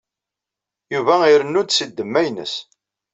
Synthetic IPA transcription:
juvæiɾənːʊd̪səd̪ːəmːæjnə̰s

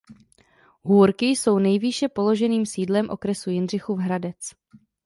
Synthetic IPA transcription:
ɦuːɾkɪjso̞wnɛjviʃɛpo̞lo̞ʒɛniːmsiːdlɛmʔo̞̰kɾɛsujɪnr̝ɪxuvɦɾadɛt͡s

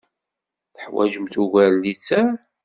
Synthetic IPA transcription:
θəħwæ̰ʒəmt̪uɣællːit͡sːæ

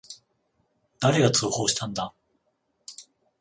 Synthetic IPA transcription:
d̪̥aɾe̞ɡat͡sɨːho̞ːɕi̥t̪ãnd̪a

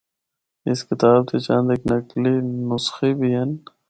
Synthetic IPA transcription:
ɪskɪt̪aːb̚t̪ʰeːt͡ʃãːnd̪eknəkliːnʊsxiːbʱiːɦən

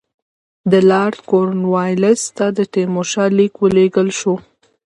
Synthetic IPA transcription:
d̪əlɑɾt̪koɾnwɑjlast̪ad̪əʈemoʃɑlikwəleɡəlʃu

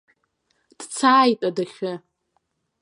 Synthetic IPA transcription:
d̥t͡sʰaːjtʼadaχʲɪ

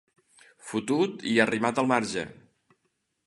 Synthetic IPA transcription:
fut̪ut̪iərimat̪əlˠmaɾʒə̰

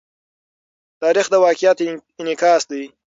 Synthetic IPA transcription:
t̪ɑːɾɪxd̪əwɑːkɪjat̪ɪnɪkɑːsd̪ij

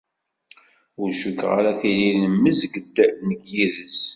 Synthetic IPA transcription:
ʊɾʃəkːʁa̰ɾaθililnəmːəzɡəd̪nəɡjiðəs

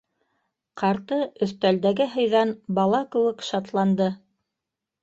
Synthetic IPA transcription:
qɑɾt̪ɤɵ̆θt̪æld̪æɡɘɦɤ̆jðɑnbɑlˠɑkɘ̆wɘkʃɑt̪lˠɑnd̪ɤ

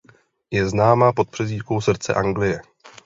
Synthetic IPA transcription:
jɛznaːmaːpo̞t̪̚pr̥ɛziːtkowsr̩t͡sɛ̰ʔaŋɡlɪjɛ

